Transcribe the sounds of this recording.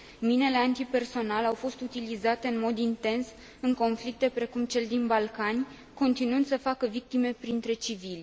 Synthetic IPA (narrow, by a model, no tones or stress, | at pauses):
mine̞le̞ant̪ipe̞rso̞nalawfo̞st̪ut̪ilizat̪e̞ɨnmo̞d̪int̪e̞ns | ɨŋko̞nflik̚t̪e̞pɾe̞kumt͡ʃe̞ld̪inbalkanʲ | ko̞nt̪inɨnd̪səfakəvik̚t̪ime̞pɾint̪ɾe̞t͡ʃivilʲ